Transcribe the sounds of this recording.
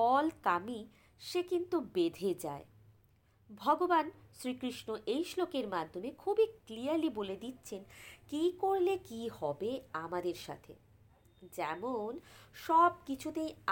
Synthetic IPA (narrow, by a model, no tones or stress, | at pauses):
ɔlkami | ʃekint̪ubed̪ʱed͡ʑa̰e | bʱɔɡobanʃɾikɾiʃnoʔejʃlokeɾmad̪ʱːomekʰubikliaɾliboled̪itːɕʰenkikoɾlekihɔbeamad̪eɾʃa̰t̪ʰḛ | d͡ʑɛmonʃɔb̚kit͡ɕʰut̪ej